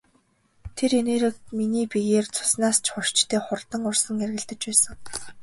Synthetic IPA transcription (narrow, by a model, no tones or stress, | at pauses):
t̪ʰereneːɾɘ̆kminiːpijeːrt͡sʰʊ̥snaːst͡ɕʰχʊrt͡ɕt̪ʰeːχʊrt̪ə̆ŋʊrsə̆ŋerɣɘ̆ɮt̪ɘ̆t͡ɕpæːsə̆ŋ